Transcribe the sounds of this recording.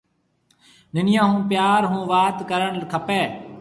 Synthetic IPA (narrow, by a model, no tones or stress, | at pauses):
nɪnɪjãːɦũːpjaːɾɦũːʋaːt̪kəɾəɳlkʰəpeː